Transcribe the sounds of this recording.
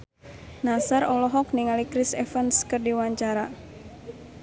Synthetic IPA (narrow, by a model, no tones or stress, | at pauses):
nasarɔlɔɦɔk̚niŋalikɾisɛfənskɨrdiwaɲt͡ʃaɾa